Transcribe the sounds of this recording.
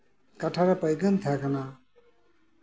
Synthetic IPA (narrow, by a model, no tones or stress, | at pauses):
kaʈʰaɾapəjɡənt̪ʰakʰana